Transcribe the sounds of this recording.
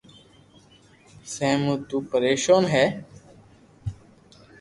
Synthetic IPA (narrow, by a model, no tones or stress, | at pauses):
seːmuːt̪uːpəɾeːʃoːnɦɛː